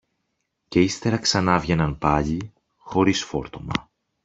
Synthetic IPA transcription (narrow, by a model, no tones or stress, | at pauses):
ce̞ist̪e̞ɾɐksɐnɐvʝe̞nɐnpɐʎi | xo̞ɾisfo̞ɾt̪o̞mɐ̰